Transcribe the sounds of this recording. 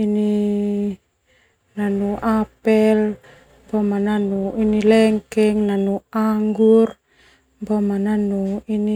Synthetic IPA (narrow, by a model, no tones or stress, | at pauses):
ini | nanuʔapɛl | mbɔmananuinilɛŋkɛŋnanuʔaŋɡur | mbɔmananuini